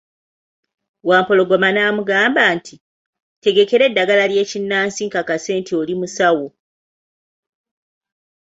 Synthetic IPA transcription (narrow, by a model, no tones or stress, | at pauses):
waːmpo̞lo̞ɡo̞manaːmuɡaːmbaːntʰi | te̞ɡe̞ke̞ɾe̞dːaɡalalje̞ːcinːaːnsiŋkakase̞ːntʰiolimusawo̞